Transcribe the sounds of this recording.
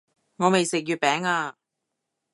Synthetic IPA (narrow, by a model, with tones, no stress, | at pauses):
ŋɔː˨˧me˨jsɪ˨k̚jyː˨˧t̚pɛː˨˥ŋaː˧